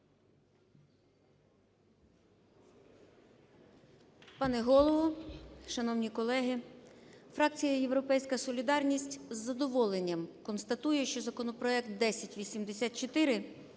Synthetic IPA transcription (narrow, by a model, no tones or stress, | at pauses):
pɑnɛɦɔlˠɔʋɔʃɐnɔwnʲikɔlˠɛɦɪ | fɾɑk̚t͡sʲijɐje̞wɾɔpɛjsʲkɐsɔlʲid̪ɑrnʲisʲtʲzːɐd̪ɔʋɔlˠenʲːɐmkɔnst̪ɐt̪ujɛʃt͡ʃɔzɐkɔnɔpɾɔɛkt̪̚d̪ɛsʲɐtʲʋʲisʲimd̪esʲat̪t͡ʃɔt̪ɪɾɪ